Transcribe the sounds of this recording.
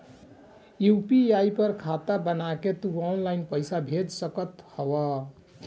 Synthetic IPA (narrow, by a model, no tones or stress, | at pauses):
jupiaipʌɾkʰat̪abənaket̪uanlajnpəjsabʱed͡ʒsəkət̪hɔwʌ